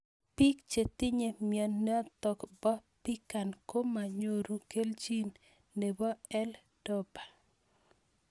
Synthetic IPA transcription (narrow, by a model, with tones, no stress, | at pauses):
pi˦kt͡ʃe˨t̪i˦ɲe˨mjɔ˨nnːɛ˦ɔ˦t̪ɔ˨kbɔ˦pi˦ka˨nko˦ma˨ɲo˨ɾu˨ke˦ld͡ʒi˦nː | e˨bɔ˦ɛ˦l | d̥ɔ˦ba˨